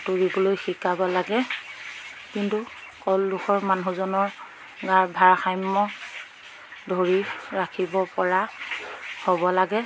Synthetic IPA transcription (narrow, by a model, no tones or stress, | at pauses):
tuɹibolojxikabɔlaɡɛ | kintu | kɔlːuxʰɔɹmanuzɔnɔɹ | ɡaɹbʱaɹxajmːɔ | dʱoɹiɹakʰibɔpɔɹa | hobɔlaɡɛ